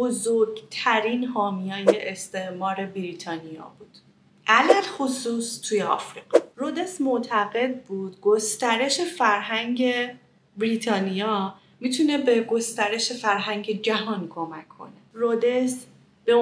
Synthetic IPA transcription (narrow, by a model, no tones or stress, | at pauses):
bozoɾɟt̪ʰæɾinhɒːmijɒːjeʔest̪e̞ʔmɒːɾe̞biɾiːt̪ʰɒːnijɒ̰ːbuːd̪̥ | ʔælælxosuːst̪ʰujeɒ̰ːfɾiːɡ̥ɒɾod̪esmoʔt̪ʰæɣe̞d̪̚buːd̪̥ɡo̞st̪æɾe̞ʃe̞fæɾɦæŋɟe̞ | bɾiːt̪ʰɒːnijɒː | mit̪ʰune̞be̞ɡo̞st̪æɾe̞ʃe̞fæɾɦæŋɟe̞d͡ʒæɦɒːnkʰo̞mækʰːo̰neɾod̪es | b̥e